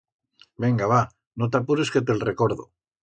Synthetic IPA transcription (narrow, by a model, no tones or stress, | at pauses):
be̞ŋɡaβa | not̪̬apuɾeske̞t̪̬e̞lreko̞ɾðo̰